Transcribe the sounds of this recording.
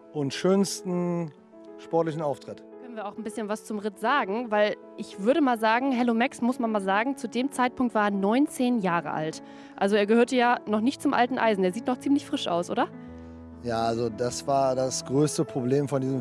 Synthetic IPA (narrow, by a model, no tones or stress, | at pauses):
ʔʊntʃøːnstn̩ | ʃpɔɐtlɪçn̩aʊftʁ̥ɪt | kʰɛnviːɐaʊxn̩bɪsçənvast͡sʊmʁɪtz̥aːɡŋ̩vaɪl | ʔɪçv̥ʏɐɾəmaːlzaːɡŋ̩ɦɛlomɛksmʊsmanmaːlzaːɡŋ̩t͡sudeːmt͡saɪt̚pʰʊŋk̚tv̥aːɐeɐnɔʏnt͡seːnjaːʁə̰ʔa̰lt | ʔalzoeːɐɡəhøɐtəjaːnɔχnɪçtt͡sʊmʔa̰ltn̩ʔa̰ɪzn̩deːɐziːtnɔχt͡siːmlɪçfʁ̥ɪʃʔa̰ʊsʔo̰ːdɐ | jaːalzodasv̥aːɐdasɡ̥ʁøːstəpʁ̥obleːmfɔndiːzəm